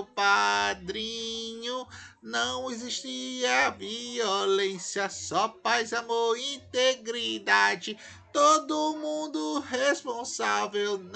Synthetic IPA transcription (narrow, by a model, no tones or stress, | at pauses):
pad̪ɾĩɲʊnɐ̃w̃eziʃt̪iɐviolẽsiɐsɔpajzɐmoĩt̪eɡɾid̪ad͡ʒɪ | t̪od̪ʊmũd̪ʊɦespõsavewn